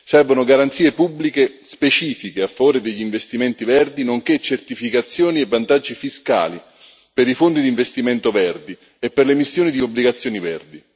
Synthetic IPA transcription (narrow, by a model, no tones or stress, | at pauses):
sɛrvonoɡaɾant̪siːepubːlikespet͡ʃiːfikeafːavoːɾed̪eʎːiɱvest̪iment̪ivɛrd̪inoŋket͡ʃːert̪ifikat̪sːjoːnievːant̪ad͡ʒːifiska̰ːli | peɾifond̪id̪iɱvest̪imɛnt̪ovɛrd̪i | epːerlemisːjoːnid̪iobliɡat̪sːjoːnivɛrd̪i